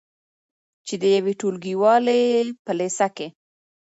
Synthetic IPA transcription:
t͡ʃed̪əjaweʈolɡiwɑlepəlesake

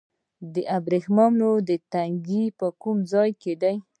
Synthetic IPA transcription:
d̪əʔabɾexmamnod̪ət̪aŋɡipəkumd͡zɑjked̪aj

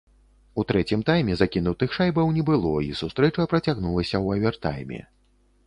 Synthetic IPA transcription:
ut̪ɾɛt͡sʲimt̪ajmʲɛzakʲinut̪ɨxʂajbɐwnʲɛbɨlˠɔisust̪ɾɛt͡ʂɐpɾɐt͡sʲaɣnulˠɐsʲɐwɐvʲɛrt̪a̰jmʲɛ̰

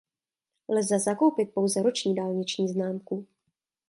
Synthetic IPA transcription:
lzɛzako̞wpɪt̪̚po̞wzɛɾot͡ʃɲiːdaːlɲɪt͡ʃɲiːznaːmku

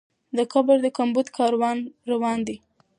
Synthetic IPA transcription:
d̪əkabəɾd̪əkambud̪kʰɑɾwɑnɾawɑnd̪i

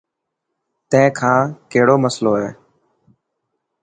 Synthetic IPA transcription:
t̪ɛ̃ɪ̃kʰãːkeɦɽoːməsloːɦɛː

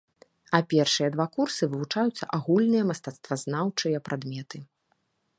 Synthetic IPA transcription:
ɐpʲɛrʂɨjɐd̪vakursɨvɨvut͡ʂajut̪sːɐ̰ʔaɣulʲnɨjɐmɐst̪at̪st̪vaznawt͡ʂɨjɐpɾʔad̪mʲɛt̪ɨ

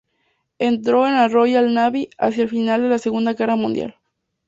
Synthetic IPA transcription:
e̞nt̪ɾo̞enaro̞jalnaβia̰sjaelfinald̪e̞lase̞ɣund̪aɣe̞ramũnd̪ja̰l

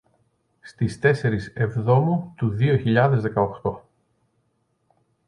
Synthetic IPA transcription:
st̪ist̪e̞se̞ɾise̞vðo̞mut̪uðio̞çiʎɐðe̞zðe̞kɐoxt̪o̞

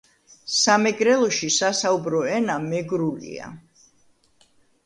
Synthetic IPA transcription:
samɛɡɾɛlˠɔʃisasaubɾɔɛnamɛɡɾulḭa̰

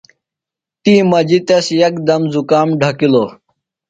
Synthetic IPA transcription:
t̪iːmɐd͡ʑit̪ɐsjɐkd̪ɐmzukaːmɖʱɐkiloː

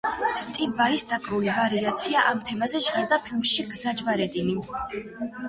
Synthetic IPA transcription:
st̪ʼivːaisd̪akʼɾulivaɾiat̪sʰiaʔamt̪ʰɛmazɛʃʁɛɾd̪apʰilˠmʃiɡzad͡ʒvaɾɛd̪ini

